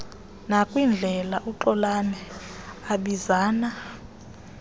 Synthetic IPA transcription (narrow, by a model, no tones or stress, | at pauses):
nakʼwind͡ɮʱɛlaʔuǃɔlanɛaɓizaːna